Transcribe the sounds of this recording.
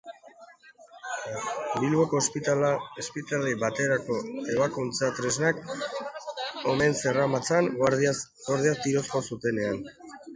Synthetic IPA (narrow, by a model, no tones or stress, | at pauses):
bilβo̞ko̞spiespit̪aliβat̪e̞ɾako̞e̞β̞akunt͡sat̪ɾe̞znak | o̞ne̞nse̞ramat͡san | ɡo̞ɾð̞iast̪iɾo̞sko̞sut̪e̞ne̞an